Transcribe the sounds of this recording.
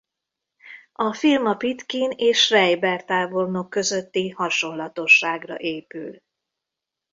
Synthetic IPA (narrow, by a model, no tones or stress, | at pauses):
ɒfilmɒpit̪kineːʃrɛjbɛrt̪aːvo̞rno̞kːø̞zøt̪ːihɒʃo̞nlɒt̪o̞ʃːaːɡrɒ̰ʔeːpy̰l